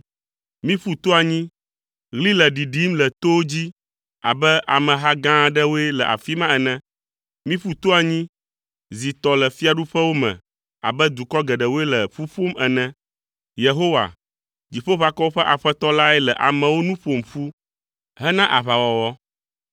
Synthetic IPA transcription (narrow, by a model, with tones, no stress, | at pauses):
mĩ˦fu˦t̪o˦a˨ɲĩ˦ | ɣli˦lɛ˨ɖi˨ɖi˦mlɛ˨t̪o˦o˦d͡ʑi˦ | a̰˨bɛ˦ʔa˨mɛ̃˨ɦa˦ɡã˦ɖɛ˦wo˦ɛ˦lɛ˨ʔa̰˨fi˦mã˦ɛ˨nɛ̃˦ | mĩ˦ɸu˦t̪o˦a˨ɲĩ˦ | zi˨t̪ɔ˨lɛ˨fi˦a˨ɖu˦ɸɛ˦wo˦mɛ̰̃˨ | a̰˨bɛ˦d̪u˨kɔ˦ɡɛ˨ɖɛ˨wo˦ɛ˦lɛ˨ɸu˦ɸo˦mɛ˨nɛ̃˦ | je˨ɦo˦wa̰˨ | d͡ʑi˨ɸo˦βa˨kɔ˦wo˦ɸɛ˦ʔa˨ɸɛ˦t̪ɔ˦la˦ɛ˦lɛ˨ʔa̰˨mɛ̃˨wo˦nũ˦ɸo˨mfu˦ | ɦɛ˦nã˦ʔa˨βa˨wɔ˨wɔ˦